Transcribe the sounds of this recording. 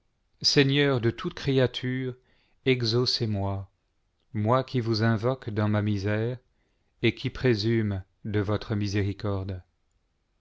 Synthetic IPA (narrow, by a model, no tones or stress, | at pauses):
seɲœʁd̪ət̪ʰut̪kχeat̪ʰyːʁ | ɛɡzosemwa | mwakʲivuzɛ̃vɔkd̪ɑ̃mamizɛʁ | ekʲʰipχezym | d̪əvɔt̪χəmizeʁikɔʁd̪